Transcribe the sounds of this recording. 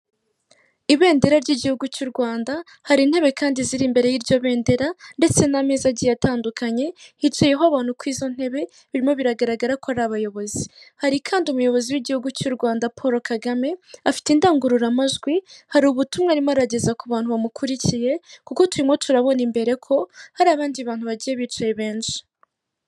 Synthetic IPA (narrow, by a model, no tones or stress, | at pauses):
iβe̞ːnde̞ɾaɾɟiɟihuɡucuːɾɡwaːnda | haɾin̥he̞βe̞kaːndiziɾimbe̞ɾe̞jiɾɟo̞βe̞ːnde̞ɾande̞t͡se̞namezaɟijataːndukʰaɲe̞hit͡ʃijeɦoaβaːn̥hukwiːzo̞n̥e̞βe̞ | βiɾimo̞βiɾaɡaɾaɡaɾakoaɾaβajo̞βo̞zihaɾikʰaːndiumujo̞βo̞ziwiɟihuɡucuɾɡwaːndapʰoɾo̞kaɡame̞afi̥tiːndaːŋɡuɾuɾamaʒɡwihaɾuβutumŋaɾimoaɾaɟe̞zakuβaːnhuβamukʰuɾicije̞kuko̞tuɾimŋo̞tʰuɾaβo̞nimbe̞ɾe̞kʰo̞haɾiaβaːndiβaːn̥huβaɟije̞βit͡ʃijeβe̞ːnʃi̥